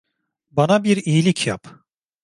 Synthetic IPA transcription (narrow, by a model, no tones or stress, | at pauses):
banabiɾiːlʲicʰjap